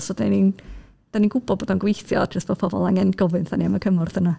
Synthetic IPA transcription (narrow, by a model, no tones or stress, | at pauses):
sɔdanin | d̥aninɡʊbɔdboːdɔnɡwejθjɔ̥əstb̥oːd̥pʰɔbɔ̰lˠaŋɛnɡ̥ɔvɨnθaniaməkʰəmɔrðəna